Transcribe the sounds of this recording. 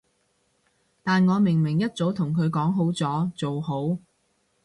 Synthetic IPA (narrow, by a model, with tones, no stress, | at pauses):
t̪aː˨nŋɔː˨˧mɪ˨˩ŋmɪ˨˩ŋjɐ˥t̚t͡so˨˥wt̪ʰʊ˨˩ŋkʰɵ˨˧ɥkɔː˨˥ŋɦo˨˥wt͡sɔː˨˥t͡so˨wɦo˨˥w